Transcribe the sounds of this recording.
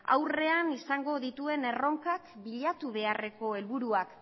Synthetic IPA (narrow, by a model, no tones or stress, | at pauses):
a̰wre̞anisaŋɡo̞ðit̪ue̞ne̞ro̞ŋkakbiʎat̪uβ̞e̞are̞ko̞e̞lβuɾuak